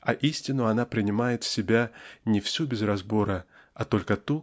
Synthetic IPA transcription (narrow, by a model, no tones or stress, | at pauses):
ɐʔisʲtʲɪnːʊɐnapɾʲɪnʲɪmajɪt̪fsʲɪbʲanʲɪfsʲubʲɪzrɐzbo̞ɾə | ɐt̪o̞lʲkət̪u